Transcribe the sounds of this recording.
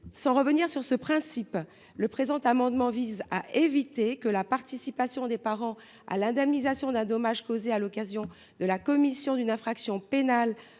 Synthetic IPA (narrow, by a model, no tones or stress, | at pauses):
sɑ̃ʁəvəniʁsyʁsəpχɛ̃sip | ləpχezɑ̃t̪amɑ̃d̪mɑ̃vizaʔevit̪ekəlapaʁt̪isipasjɔ̃d̪epaʁɑ̃ | a̰lɛ̃d̪ɛmnizasjɔ̃d̪ɛ̃d̪ɔmaʒkozealɔkazjɔ̃ | d̪əlakɔmisjɔ̃d̪ynɛ̃fχaksjɔ̃penal